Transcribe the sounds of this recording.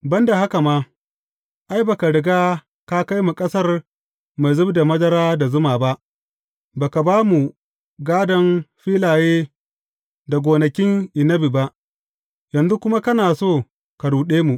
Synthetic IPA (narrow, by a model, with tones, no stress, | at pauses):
bɐ˦nda˨ha˦ka˨maː˦ | ʔa˦jba˨ka˨ɽɪ˨ɡaː˦ | ka˦ka˦jmu˨kʼɐ˦sɐ˦r | ma˨jzʊ˦bda˨mɐ˦dɐ˦ɾaː˦da˨zʊ˦maː˨ba˦ʔ | baː˨ka˨baː˦mu˨ | ɡaː˦dɐ˦nɸiː˦laː˨jeː˦ | da˨ɡʷoː˨nɐ˨kʲɪ˦ŋʔɪ˨nɐ˦bi˨ba˦ʔ | jɐ˨nzu˦kʷʊ˦ma˦kɐ˦naː˨soː˦˨ | ka˨ɽuː˨ɗeː˦mu˨ʔ